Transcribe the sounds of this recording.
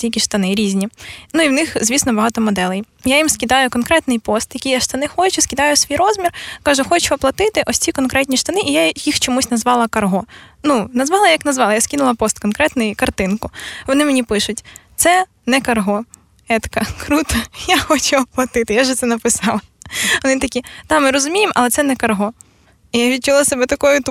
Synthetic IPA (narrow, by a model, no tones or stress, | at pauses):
tʲijʲkʲiʃt̪ɐnɪɾʲizʲnʲinuiwnɪxzʲʋʲisnɔbɐɦɑt̪ɔmɔd̪ɛlˠɪj | jajimskʲɪd̪ɑjʊkɔnkɾɛt̪nɪjpɔst̪jɐkʲijaʃt̪ɐnɪxɔt͡ʃʊskʲɪd̪ɑjʊsʋʲijɾɔzmʲirkɑʒʊxɔt͡ʃʊɐplˠɐt̪ɪt̪ɪʔɔsʲt͡sʲikɔnkɾɛtʲnʲiʃt̪ɐnɪʔijajixt͡ʃɔmusʲnɐzʋɑlˠɐkɐrɦɔnunɐzʋɑlˠɐjɐknɐzʋɑlˠɐjaskʲinʊlˠɐpɔst̪kɔnkɾɛt̪nɪjkɐrt̪ɪnkʊʋɔnɪmenʲipɪʃʊtʲt̪sɛ | nɛkɐrɦɔ | ɛt̪kɐkɾut̪ɐjaxɔt͡ʃʲuɐplˠɐt̪ɪt̪ɪjaʒɛt̪sɛnɐpɪsɑlˠɐʋɔnɪt̪ɐkʲid̪̥ɑmɪɾɔzʊmʲijemʔɐ̰lˠɛt̪sɛnɛkɐrɦɔ | ijaʋʲid̪̚t͡ʃʊlˠasɐbɛt̪ɐkɔjʊt̪